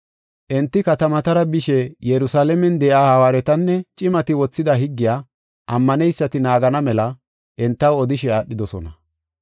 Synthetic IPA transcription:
ʔɛnt̪ːɪkɐt̪ɐmɐt̪ɐɾɐbɪʃɛjɛɾʊsaːlɛmɛnd̪ɛʔaːhɐwaːɾɛt̪ɐnːɛt͡ʃʼɪmɐt̪ɪwɔt͡sːɪd̪ɐɦɪɡːɪjaː | ʔɐmːɐnɛjsːɐt̪ɪnaːɡɐnɐmɛlɐ | ʔɛnt̪ːɐwɔd̪ɪʃɛaːɗːɪd̪ɔsɔ̰nɐ

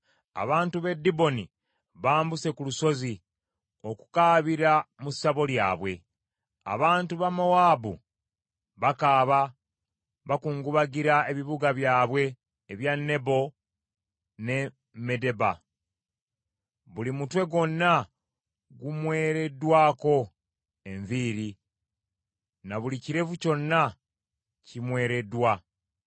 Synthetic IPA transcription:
a̰βaːntuβe̞dːibo̞ni | βaːmbuse̞kuluso̞zi | o̞ku̥kaːβiɾamusːaβo̞lja̰ːβwe̞̰ | a̰βaːntuβamowaːbṵ | βakaːβa | βakuːŋɡuβaɡiɾae̞βiβuɡaβjaːβwe̞ː | βjanːe̞bo̞ | ne̞ | me̞de̞ba | βulimutwe̞ɡo̞nːa | ɡumwe̞ːɾe̞dːwaːko̞ | e̞ɱviːɾi | naβuliciɾe̞vuco̞nːa | cimwe̞ːɾe̞dwa

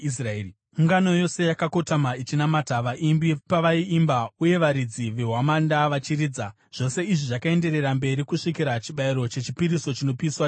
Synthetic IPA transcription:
israe | uŋɡano̞jo̞se̞jakako̞tamait͡ʃinamataʋaʔimbipaʋaiimbauje̞ʋaɾid͡ziʋe̞ɦwamandaʋat͡ʃiɾiːd͡za | ʐ̥o̞se̞iʐiʐakae̞nde̞ɾe̞rambe̞ɾikuʂikiɾat͡ʃiɓaiɾo̞t͡ʃe̞t͡ʃipiɾiso̞t͡ʃino̞piswa

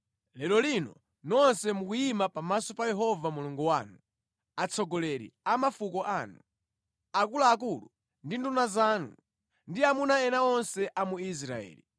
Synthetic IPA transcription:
lɛlɔlinɔ̰ | nɔnsɛmukujimapamasɔpajɛɦɔvamuluŋɡuwaːnu | at͡sʰɔɡɔlɛɾḭamafukɔʔaːnu | akulaːk̬ulu | ndindunazaːnṵ | ndiamunaɛnaɔnsɛʔamuis̬ɾa̰ɛ̰ːlḭ

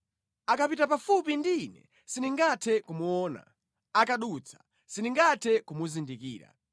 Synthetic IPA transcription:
akapitapafupindinɛ̰ | siniŋɡatʰɛkumuɔːna̰ | akaɗut͡sʰḁ | siniŋɡatʰɛkumuzindikḭːɾa̰

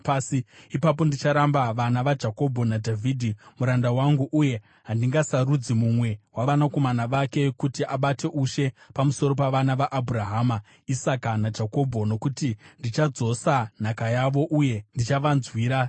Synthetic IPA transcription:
paːsiipap̬o̞ndit͡ʃaɾambaʋanaʋad͡ʒako̞bʱo̞nadʱavʱidʱimuɾandawaŋɡuʔuje̞ | ɦandiŋɡasaɾud͡zimumwe̞waʋanako̞manaʋake̞kutiʔaɓate̞ʔuʃe̞pamuso̞ɾo̞paʋanaʋaʔabʱuraɦama | isakanad͡ʒako̞bʱo̞no̞kutindit͡ʃad͡zo̞san̤akajaʋo̞ʔuje̞ndit͡ʃaʋanzwiːɾa

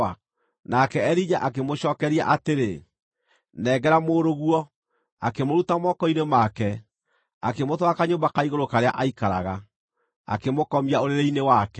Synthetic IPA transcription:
a | nakɛɛɾid͡ʒaʔak̬emoɕɔːkɛɾia̰ʔateɾe | nɛːɡɛɾamoːɾoɣwɔ | akemoɾutamɔkɔinemakɛ | a̰kemotwakaɲoːmbakaiɣoɾokaɾea̰ʔaikaɾa̰ɣa | a̰kemokɔmiaoɾeɾeinewakɛ

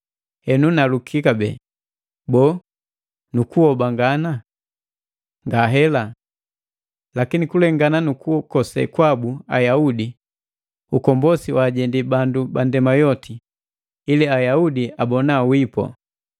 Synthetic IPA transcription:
hɛnunalukʰikabɛ̰ː | bɔː | nukuɔbaŋɡana | ŋɡaɦɛla | lakinikulɛŋɡananukuɔkɔsɛ̰kwabua̰jaudi | ukɔmbɔsiwaɟɛndibandubandɛmajɔtʰiː | liajaudiabɔnawipɔ̰

